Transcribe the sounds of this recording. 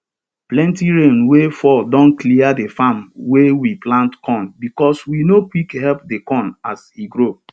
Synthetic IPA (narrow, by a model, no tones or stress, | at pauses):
plɛ̃ntiɹẽnwefɔdɔ̃nkliadefamwewiplãntkɔ̃nbikɔswinokwikhɛlpdekɔ̃nasiɡɹo